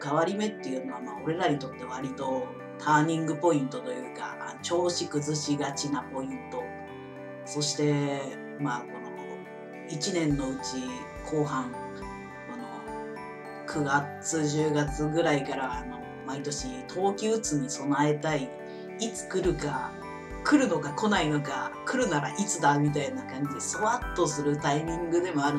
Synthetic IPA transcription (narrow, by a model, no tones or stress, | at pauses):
kaβaɾʲime̞t̪ːe̞jɯ̟no̞βamao̞ɾe̞ɾaɲ̟it̪o̞t̪ːe̞βaɾʲit̪o̞ | t̪ʰaːɲ̟ĩŋɡɯ̟po̞ĩnt̪o̞t̪o̞jɯ̟ːka̰a̰not͡ɕo̞ːɕikɯ̟zɨɕiɡat͡ɕinapo̞ĩnt̪o̞ | so̞ɕi̥t̪e̞ | mako̞no̞̰ | it͡ɕinẽ̞nːo̞ɯ̟t͡ɕi | kʰo̞ːɦãŋ | kono̰ | kʰɯ̟ɡat͡sɨʑɨːɡat͡sɨɡɯ̟ɾaikaɾaːno̞ | mait̪o̞ɕit̪ʰo̞ːkʲɨɯt͡sɨɲ̟iso̞nae̞t̪ai | it͡sɨ̥kɯ̟ɾɯ̟ka | kɯ̟ɾɯ̟no̞kako̞naino̞kakɯ̟ɾɯ̟naɾa̰ʔit͡sɨd̪amʲit̪ainakãɲ̟d͡ʑesɨβat̪ːo̞sɨɾɯ̟t̪aimʲĩŋɡɯ̟d̪e̞moaɾɯ